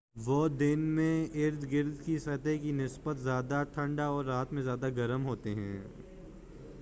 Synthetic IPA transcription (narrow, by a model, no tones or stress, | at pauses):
ʋod̪ɪnmẽɪɾd̪ɡɪɾd̪ʱkisɐt̪ekinɪsbət̪zjaːd̪aʈʰɐ̃ɳɖaɔːɾːaːt̪mẽzjaːd̪aɡɐɾəmɦoːt̪eɦɛ̰̃ː